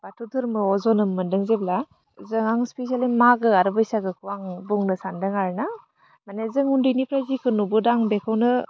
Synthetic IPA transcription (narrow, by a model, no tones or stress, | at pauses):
batʰutʰɯɾmɯɔzɔnɯmɯndɯŋzebla | zɯŋaŋspes̬ialimaɡɯaɾɯbɯjsaɡɯkʰuwaŋbuŋnɯsandɯŋaɾna | manezɯŋundɯjnipʰɾajzikʰɯnubɯdaŋbekʰɯwnɯ